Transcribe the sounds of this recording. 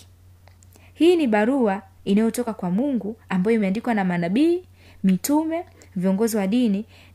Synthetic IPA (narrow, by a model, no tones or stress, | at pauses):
hiːniɓaɾuainajɔtɔkakwamuŋɡuambajɔimɛandikwanamanaɓiː | mitumɛ | viɔŋɡɔziwaɗini